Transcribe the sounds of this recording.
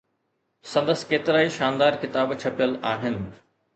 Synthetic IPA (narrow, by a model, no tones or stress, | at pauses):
sɐ̃nd̪əsɪ̥̆keːt̪ɪɾaːiʃaːnd̪aːɾkɪt̪aːbt͡ɕʰɐpijəlaːɦɪnɪ̆